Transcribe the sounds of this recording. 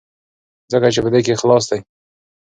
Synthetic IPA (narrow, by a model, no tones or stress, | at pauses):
zəkat͡ʃepəd̪ekexlɑs̬d̪aj